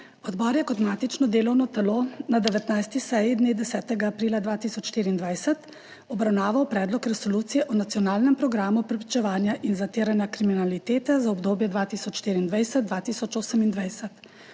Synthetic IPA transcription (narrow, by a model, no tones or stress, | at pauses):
ɔd̪bɔɾjɛkɔt̪maːt̪it͡ʃnɔd̪eːlɔwnɔt̪ɛloːnad̪ɛʋɛt̪najst̪isɛjid̪neːd̪ɛsɛːt̪ɛɡaːpɾiːlad̪ʋaːt̪iːsɔt͡ʃʃt̪iːɾiːnd̪ʋajsɛt̪ | ɔbɾawnaːʋawpɾɛːd̪lɔkɾɛsoluːt̪sijɛʔɔnat̪sijɔnaːlnɛmpɾɔɡɾaːmupɾɛpɾit͡ʃɛʋaːnjaʔinzat̪eːɾanjakɾiminalit̪eːt̪ɛzaɔbd̪oːbjɛd̪ʋaːt̪iːsɔt͡ʃʃt̪iːɾiːnd̪ʋajsɛt̪̚d̪ʋaːt̪iːsɔt͡ʃoːsəmind̪ʋajsɛt̪